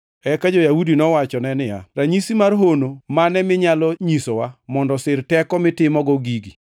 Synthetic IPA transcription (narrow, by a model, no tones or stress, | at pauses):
ɛkad͡ʒojaudinɔwat͡ʃɔnɛnɪja̰raɲisimarɦonomanɛmɪɲalɔɲisowamɔndɔsɪrtɛkɔmɪtɪmɔɡɔɡiɡi